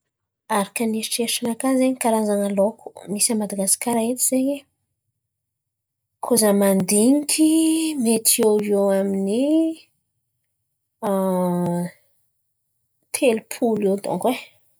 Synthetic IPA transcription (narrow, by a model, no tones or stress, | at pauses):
aɾakəniiʈ͡ʂeʂanakazeɲikaɾazanalokʰu̥misamad̪aɡasi̥kʲaɾaet̪iz̥eɲe | kʰozamand̪iŋikʰʲimet̪ʰieewamini | t̪ʰelupʰulewt̪o̰ŋkwe